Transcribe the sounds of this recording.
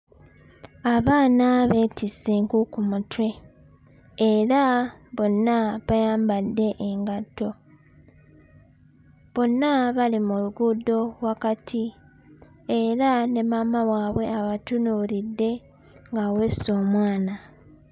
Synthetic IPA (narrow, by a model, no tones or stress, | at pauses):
aβaːnaβe̞ːtiseŋkukumutwe̞ | ɾaβo̞nːaβajaːmbadːe̞ʔeŋɡatːo̞ | βo̞nːaβalimuluɡudo̞wakatʰi | eɾane̞mamawaːβwe̞aβatunuɾidːe̞ | ŋɡawe̞ːso̞ːmwaːna